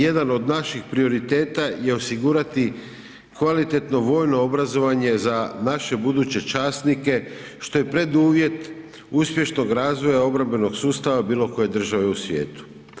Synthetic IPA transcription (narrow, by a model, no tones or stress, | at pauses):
je̞d̪ano̞d̪naʃixpɾio̞ɾit̪e̞ːt̪aje̞osiɡuːɾat̪i | kʋalit̪e̞t̪no̞ʋo̞ːjnoobɾazo̞ʋaɲe̞zanaʃe̞bud̪uːt͡ɕe̞t͡ʃaːst̪nike̞ʃt̪o̞jepɾe̞d̪uːʋje̞t̪ | uspje̞ʃno̞ɡɾaːzʋo̞jao̞bɾambe̞no̞ɡsuːst̪aʋabiːlˠo̞ko̞je̞d̪r̩ʒaʋe̞usʋje̞̰ːt̪u̥